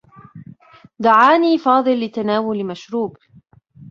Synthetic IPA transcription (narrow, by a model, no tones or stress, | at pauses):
d̪aʕaːniːfɑːd̪ˤɨlːɪt̪anaːwʊlmaʃɾuːb